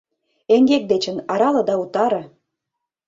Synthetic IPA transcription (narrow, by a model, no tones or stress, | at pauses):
eŋɡek̚d̪et͡ɕə̆nɑɾɑlɤ̆d̪ɑut̪ɑɾɤ̆